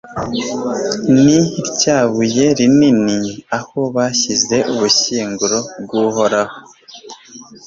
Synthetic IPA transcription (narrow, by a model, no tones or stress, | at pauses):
niɾcaːβuje̞ɾininiaho̞βaːçize̞ʔuβuʃiːŋɡuɾo̞bɡuːho̞ɾaho